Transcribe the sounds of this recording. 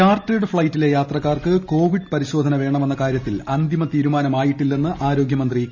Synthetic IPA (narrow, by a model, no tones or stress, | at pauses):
aːrteɖɨfɭɐjtːile̞jaːt̪rɐkːaːrkɨko̞ːʋiɖpɐɾiɕo̞ːd̪ʱɐnɐʋe̞ːɳɐme̞nːɐkaːɾjɐt̪ːilɐnd̪imɐt̪iːɾumaːnɐmaːjiʈːilːenːɨʔaːɾo̞ːɡjɐmɐnd̪ri